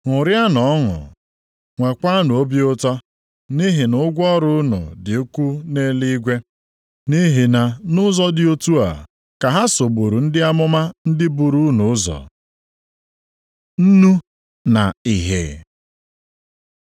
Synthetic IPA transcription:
ŋʊ˨ɾja˦nɔ˨ɔ˦ŋʊ̰˨ | ŋʷe˨kʷa˦nʊ˨o˦bi˦ʊ˦tɔ˦ | ni˦ɦɪ˨nʊ˦ɡʷɔ˦ɾʊ˦ʊ˦nʊ̰˨dɪ˨o˦kʷu˦ne˦li˦ɡʷe˦ | ni˦ɦɪ˨na˨nʊ˦zɔ˦dɪ˨˦o˦tu˦a̰˨ | ka˨ɦa˦so˨ɡ͡bo˨ɾu˨n̩˦dɪ˦a˦mʊ˦ma˦n̩˦dɪ˦bu˨ɾu˦nʊ˨ʊ˦zɔ̰˨ | n̩˦nu˦ | na̰˨i˨ɦḛ˨

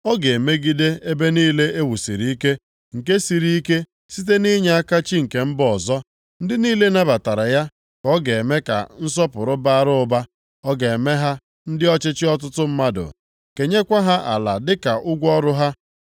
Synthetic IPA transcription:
ɔ˦ɡe˨me˦ɡi˦de˦e˦be˦niː˦le˦e˦wu˨sḭ˨ɾi˦i˦ke˦ | ŋ̩˨ke˦si˨ɾi˦i˦ke˦ | si˦t̬e˦ni˦ɲe˦a˦ka˦t͡ʃi˦ŋ̩˨ke˨m̩˦bɔ˨zɔ˦ | n̩˦dɪ˦niː˦le˦na˦ba˨ta˨ɾa˨ja˦ | kɔ˦ɡe˨e˨me˦ka̰˨n̩˦s̬ɔ˦pʊ˨ɾʊ˦ba˦a˦ɾʊ˦ʊ˦ba˦ | ɔ˦ɡe˨e˨me˦ɦa˦ | n̩˦dɪ˦ɔ˦t͡ʃɪ˦t͡ʃɪ˦ɔ˦t̬ʊ˦tʊ˦m̩˦ma˦dʊ̰˨ | ke˨ɲe˦kʷa˦ɦa˦ʔa̰˨la˨dɪ˦ka˨ʔʊ˦ɡʷɔ˦ɾʊ˦ɦa˦

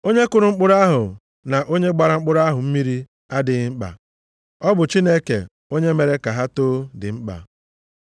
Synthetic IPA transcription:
o˦ɲe˦kʊ˦ɾʊ˨ŋ͡m̩˦k͡pʊ˦ɾa˦ɦʊ˨ | na˨ʔo˦ɲe˦ɡ͡ba˦ɾa˨ŋ͡m̩˦k͡pʊ˦ɾa˦ɦʊ˨m̩˦mi˦ɾi˦ | a˦dɪ˨ɣɪ˦ŋ͡m̩˦k͡pa̰˨ | ɔ˦bʊ˨t͡ʃi˦ne˦kḛ˨ | o˦ɲe˦me˨ɾe˦ka˨ɦa˦toː˦dɪ˨ŋ͡m̩˦k͡pa̰˨

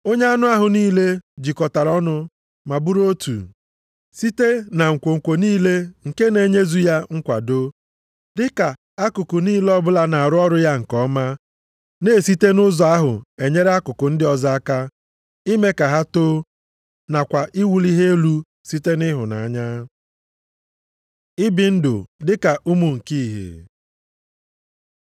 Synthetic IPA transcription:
o˦ɲ˦a˦nʊ˦a˦ɦʊ˨niː˦le˦d͡ʒi˨kɔ˨ta˨ɾɔ˦nʊ˦ | ma˨bu˦ɾo˦tṵ˨ | si˦te˦na˨ŋ̩˨kʷo˨ŋ̩˨kʷo˨niː˦le˦ŋ̩˨ke˦ne˨˦˨ɲe˦zu˦ja˦ŋ̩˦kʷa̰˨do˦ | dɪ˦ka˨ | a˦kʊ˨kʊ˨niː˦lɔ˦bʊ˦la˨na˨a˨ɾʊ˦ɔ˦ɾʊ˦ja˦ŋ̩˨kɔ˦ma˦ | ne˦e˨si˦te˦nʊ˦zɔ˨a˦ɦʊ̰˨e˨ɲe˦ɾa˦kʊ˨kʊ˨n̩˦dɪ˦ɔ˦za˦a˦ka˦ | i˦me˦ka˨ɦa˦to˦ | na˨kʷa˨ʔi˦wu˨li˦ɦe˦e˦lu˦ | si˦te˦nɪ˦ɦʊ˨na˨a˨ɲa˦ | ɪ˦bɪ˨n̩˦dʊ̰˨dɪ˦ka˨ʔu˦mu˨ŋ̩˨ki˦i˨ɦḛ˨

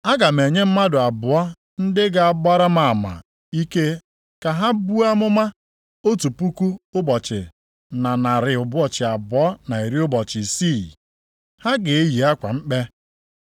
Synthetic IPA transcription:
a˦ɡa˨me˨ɲe˦m̩˦ma˦dʊ˨a˨bʊ˨ɔ˦ | n̩˦dɪ˦ɡa˨a˨ba˦ɾa˦ma˨a˨ma̰˨ | i˦ke˦ | ka˨ɦa˦bu˦a˦mʊ˦ma˦ | o˦tu˨pu˦ku˦ʊ˦bɔ˨t͡ʃɪ̰˨ | na˨na˨ɾɪ˨ʊ˨bʊ˦ɔ˦˨t͡ʃɪ˨a˨bʊ˨ɔ˦na˨i˨ɾi˦ʊ˦bɔ˨t͡ʃɪ˨si˦˨ | ha˦ɡe˨e˦ji˨a˦kʷa̰˨ŋ͡m̩˦k͡pe˦

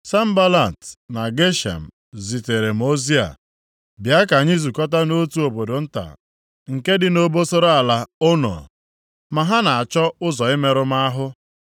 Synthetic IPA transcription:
sa˦m̩˦ba˦la˨n˨tna˨ɡe˦ʃa̰˨m̩˨ | zi˨te˨ɾe˨m̩˨o˦zi˦a̰˨ | bja˦ka˨ɲɪ˦zu˨kɔ˦t̬a˦no˦tu˨˦o˨bo˨do˨n̩˦ta̰˨ | ŋ̩˨ke˦dɪ˨no˦bo˦so˦ɾo˦a˨la˨ʊ˦nɔ̰˨ | ma˨ɦa˦na˨a˨t͡ʃɔ˦ʊ˦zɔ˨ɪ˦me˨ɾʊ˦m˦a˦a˦ɦʊ˦

